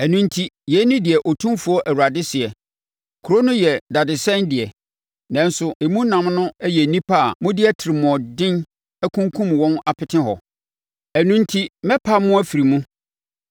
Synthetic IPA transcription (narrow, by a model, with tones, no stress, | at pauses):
æ˨nũ˦ntʰi˦jɛ˨˦nɪ̃˦dɪ˨ɛ˨ʔɔ˨tʰũ˦mfu˨˦ɔ˦ʔæ˨wu˨ɾa˨dɪ˦sɪ˨ɛ˨ | kʰu˨ɾo˦nʊ̃˦jɛ˨da˨dɪ˨sɛ̃˦ndɪ˨ɛ˨ | nã˨n˦sʊ˨e˨mũ˦nã˨mnʊ̃˦ɛ˦jɛ˨nĩ˦pʰa˦˨mʊ̃˦dɪ˦ɛ˦tʰɪ˨ɾɪ˨mʊ̃˨ɔ˨dɪ̃˦n | æ˦kʰũ˦ŋkʰũ˦mwɔ̃˦na˨pʰɪ˨tʰɪ̃˦ɦɔ˨ | æ˨nũ˦n˦tʰi˦mɛ̃˦pʰa˦mʊ̃˦æ˦fi˨ɾi˨mũ˦